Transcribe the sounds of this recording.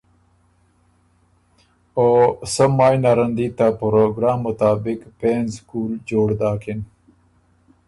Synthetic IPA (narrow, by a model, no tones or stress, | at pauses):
oːsəmaːjnaɾənd̪it̪apɾoɡɾaːmːʊt̪aːbɪkpeːnzkuːld͡ʒoːɽd̪aːkʰin